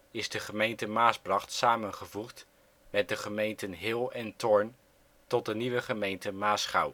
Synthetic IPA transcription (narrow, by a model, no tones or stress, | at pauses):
ɪzdəχəmejntəmaːsbrɑχtsaːmənχəvuχt | mɛt̚dəχəmejntənɦɪlˠɛntɔɹn | tɔt̚dəniʋəχəmejntəmaːsχɑw